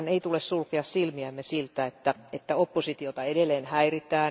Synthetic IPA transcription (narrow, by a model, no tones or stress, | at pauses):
neit̪ulessulkeɑssilmiæmːesilt̪æet̪ːæet̪ːæopːosit̪iot̪ɑedelːˑeːnhæirit̪æː